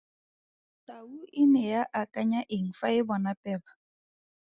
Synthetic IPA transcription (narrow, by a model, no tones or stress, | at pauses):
tʼauʔɪnɛjaʔakʼaɲaʔɪŋ̩faɪbɔnapʼɛːbḁ